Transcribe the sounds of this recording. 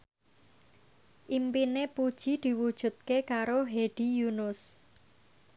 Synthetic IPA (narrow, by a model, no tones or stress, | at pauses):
ʔimpinepud̥ʒ̥i̤d̪̥i̤wud̥ʒ̥ṳt̪̚kekaɾoɦeɖ̪̥i̤junʊs